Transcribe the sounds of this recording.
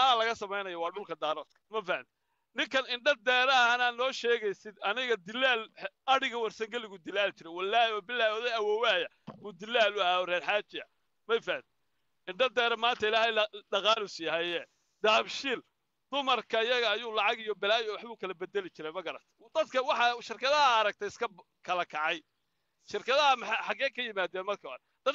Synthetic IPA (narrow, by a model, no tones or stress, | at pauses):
alɐɣɐsɐmɛjnɐjɔwɑːɖʊlkʰɐd̪aːɾɔːt̪kʰɐ̥mɐfɐhɐnt̪ | nɪŋkʰɐnɪɳɖɐd̪ɛːɾɐɐnaːnɔːʃɛːɣɛjsɪd̪ɐnɪɣɐd̪ɪlːaːlɐɽɪɣɐwɐrsɐŋɡɐlɪɣʊd̪ɪlaːlt͡ʃɪɾɛjwɐlːaːbɪlːaːwɔðɛɐwɔːwaːjɐ | buːd̪ɪlːaːlʊɐhaːɔrɛːrħaːt͡ʃɪɐ | mɛjfɐhɐnt̪ | ɪɳɖɐd̪ɛːɾɐmaːnt̪ʰɐɪlaːhɛjɖɐqɑːlʊsjɐɦɛjɛː | d̪̥aːbʃɪːl | d̪̥ʊmɐrkʰɐɪjɐɣɐːjuːlɑʕɑɣɪjɔbɪlaːjɔwɑħβuːkʰɐlɐbɛd̪ɛlɪt͡ʃɪɾɛjmɐɡɐɾɐ̰t̪ʰɛ̥d̪̥ɐd̪kʰɐwɑħɑʃɪrkʰɐðɐɐːɾɐɡ̚t̪ʰɛjɪskʰɐ | kʰɐlɐkʰɑʕɑj | ʃɪrkʰɐðɐhɐmɐħɑjħɑɡɛːkʰɐjɪmaːd̪ɛːnmɐrkʰɐɐ̰ | d̪̥ɐd̪